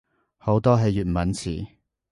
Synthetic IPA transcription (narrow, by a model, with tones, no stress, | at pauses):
ho˨˥wt̪ɔː˥ɦɐ˨jːyː˨t̚mɐ˨˥nt͡sʰḭː˨˩